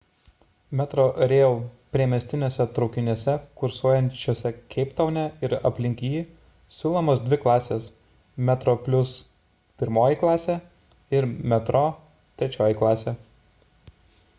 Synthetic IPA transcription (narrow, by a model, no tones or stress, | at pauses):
mʲɛt̪ɾoːɾʲeːlˠpʲɾʲiɛmʲɛsʲt̪ʲɪnʲoːsʲɛt̪ɾɒʊkʲɪnʲisʲɛkʊɾsuɔjɛnʲt͡ʃʲuɔsʲɛkʲʰɛɪpt̪ɐʊnʲɛɪɾɐ̰pʲlʲɪŋʲkʲiː | sʲuːlˠomoːsd̪ʲʋʲɪklˠɑːsʲeːs | mʲɛt̪ɾoːpʲlʲʊs | pʲɪɾmoːjiˑklˠɑːsʲeː | ɪɾmʲɛt̪ɾoː | t̪ʲɾʲɛt͡ʃʲoːjiˑklˠɑːsʲeː